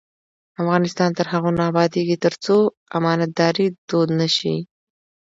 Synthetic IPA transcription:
afɣɑnɪst̪ɑnt̪əɾɦaɣunaːbɑd̪eɡit̪əɾt͡so | amɑnat̪̚d̪ɑɾid̪̥od̪naʃḭ

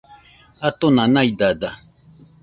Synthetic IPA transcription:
at̪onãnaid̪ad̪a

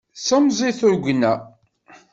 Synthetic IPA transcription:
səmzˤiθʊɾɡʷnæ

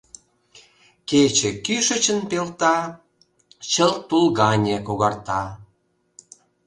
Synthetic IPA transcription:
ket͡ɕĕkyʃə̆t͡ɕə̆npelt̪ɑ | t͡ɕəlt̪ulɣɑnʲekoɣɑrt̪ɑ

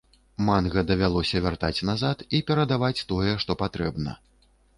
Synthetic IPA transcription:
manɣɐd̪ɐvʲalˠɔsʲɐvʲart̪at͡sʲnazat̪ipʲɛɾɐd̪avat͡sʲt̪ɔjɛʂt̪ɔpat̪ɾɛbnɐ̰

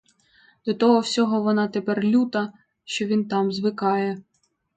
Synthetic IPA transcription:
d̪̥ɔt̪ɔɦɔwsʲɔɦɔʋɔnɑt̪epɛrlʲut̪ɐ | ʃt͡ʃɔʋʲint̪ɑmzʋɪkɑjɛ

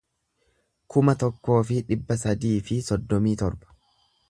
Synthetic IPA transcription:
kʊmɐt̪ɔkːo̞ːfɪᶑɪbːɐs̬ɐd̪iːfɪsɔd̪ːɔmiːt̪ɔɾbɐ̥

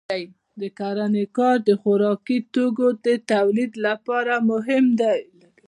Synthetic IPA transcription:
aj | d̪əkaɾanekɑɾd̪əxʊɾɑkit̪oɡod̪ət̪awlid̪lapɑɾamʊɦɪmd̪ajlaɾi

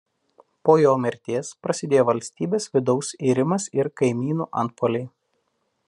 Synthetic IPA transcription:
poːjoːmʲɛɾʲt̪ʲeːspɾɐsʲɪd̪ʲeːjoːʋɐlʲsʲt̪ʲiːbʲeːsʋʲɪd̪ɒʊsiːɾʲɪmɐsɪɾkɐɪmʲiːnuːʔɐ̰nt̪̚poːlʲɛɪ

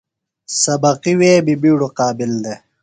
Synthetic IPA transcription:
sɐbɐqiweːbibiːɽuqɑːbild̪e

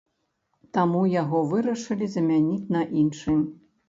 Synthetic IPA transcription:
t̪amujaɣɔvɨɾɐʂɨlʲizɐmʲanʲit͡sʲnɐʔinʂɨmʲ

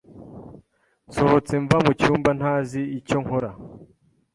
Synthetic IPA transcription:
nsohot͡se̞ɱvamucuːmban̥haːziico̞ŋ̥ho̞ɾa

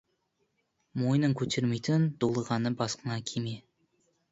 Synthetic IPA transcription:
mo̞jnəɴkʲʰɵt̪ʰe̞ɾme̞jt̪ɪnd̪̥olˠəʁɑnəbɑsqənɑkʲʰeme

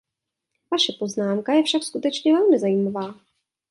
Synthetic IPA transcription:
vaʃɛpo̞znaːmkajɛfʃakskut̪ɛt͡ʃɲɛvɛlmɪzajiːmavaː

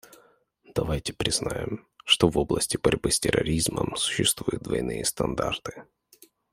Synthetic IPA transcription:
d̪ɐvajtʲɪ̥pɾʲɪznajɪmʂt̪ovo̞blˠəsʲtʲɪbɐɾʲbɨsʲtʲɪrɐɾʲizmə̰msʊ̥ɕːɪst̪vujʊd̪̚d̪vɐjnɨjəst̪ɐnd̪art̪ɨ̥

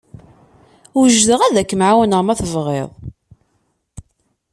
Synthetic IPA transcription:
ʊʒðəʁæðækːəmʕawənəʁmæθəvʁḛðˤ

